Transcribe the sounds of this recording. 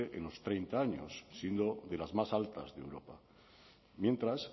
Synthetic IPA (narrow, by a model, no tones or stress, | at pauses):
eʔenlo̞st̪ɾe̞jnt̪aaɲo̰sːje̞nd̪o̞ðe̞lazmasalt̪a̰zðḛwɾo̞pa̰ | mje̞nt̪ɾas